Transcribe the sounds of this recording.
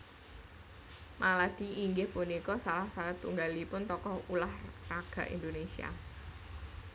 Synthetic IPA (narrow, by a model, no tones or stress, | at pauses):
mʔalad̪̥i̤iŋɡɪhpunikɔsalahsat̪uŋɡalipʊnt̪ɔkɔhulahraɡ̥a̤ʔḭnd̪onesia̰